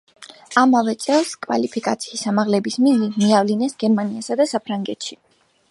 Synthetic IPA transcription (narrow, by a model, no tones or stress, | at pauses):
amavɛt̪sʼɛlˠskʼwa̰lipʰikʼat̪sʰiːsamaʁlɛbismilimiavlinɛsɡɛɾmaniasad̪asapʰɾaŋɡɛt̪ʃi